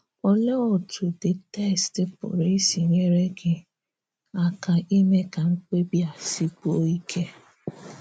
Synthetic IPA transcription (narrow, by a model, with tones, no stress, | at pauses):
ɔ˨lɔ˦ɔ˨tʰʊ˨dɪ˨tɛ˦˨stɪ˨pʊ̰˨ɾi˦si˨ɲe˦ɾe˦ɡɪ˦ | a˨ka˨ʔi˦me˦ka˨ŋ̩˦k͡pe˦bja˨si˦ko˦i˦kʰe˦